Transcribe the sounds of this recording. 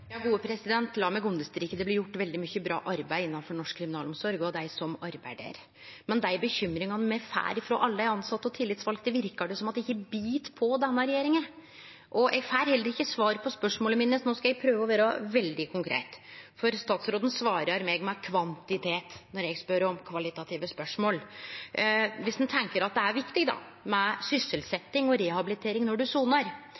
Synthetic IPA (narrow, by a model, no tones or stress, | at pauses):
jɑːɡuːəpʰɾɛsɪd̪ɛnt̪lɑːmɛɡʊnd̪əst̪ɾiːkəd̪ɛblɪɾjʊʈːʋɛld̪ɪmʏçːəbɾɑ̰ːʔɑɾbæɪɪnːɑnfɔɳɔʂkʰːɾɪmɪnɑːlɔmsɔɾɡɔd̪æɪsɔmɑɾbæɪɖ̪ḛɾ | mɛnd̪æɪbəçʏmːɾɪŋɑnəmɛfæ̰ːɾɪfɾo̰ːʔɑlːəæɾɑnsɑt̪ːɔt̪ʰɪlːɪt̪sʋɑlɡd̪ɛʋɪɾkɑɖɛsɔmɑt̪ɛɪçːəbiːt̪pʰɔd̪ɛnːəɾɛjeːɾɪŋən | ʔɔʔɛɡfæːɾhɛlːəɾɪçːəsʋɑːɾəpʰɔspœʂmoːləmiːnːəsnoːskɑjɛɡ̚pʰɾøːʋəɔʋæːɾəʋɛld̪ɪkʰʊŋkʰɾḛːt̪fɔɾst̪ɑːt̪sɾoːd̪n̩sʋɑːɾəɾmeːɡmɛkʰʋɑnt̪ɪt̪ʰeːt̪nɔɾjɛɡspœɾɔmkʰʋɑlɪt̪ɑt̪ʰiːʋəspœʂmoːl | ʋɪsd̪ɛnt̪ʰɛŋkəɾɑt̪̚d̪ɛæɾʋɪkt̪ɪɡd̪ɑ̰ | mɛsʏsːəlsɛt̪ːɪŋɔɾɛhɑbɪlɪt̪ʰeːɾɪŋnɔɖʉsuːnəɾ